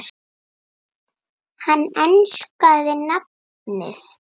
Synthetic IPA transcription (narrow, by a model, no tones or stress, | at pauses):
ɾ | hanːɛnskaðɪnap̚ | nɪ̰θ